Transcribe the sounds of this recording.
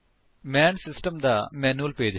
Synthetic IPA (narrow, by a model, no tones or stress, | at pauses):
mɛnsisʈəmd̪ɐmɛnuəlpeːd͡ʒ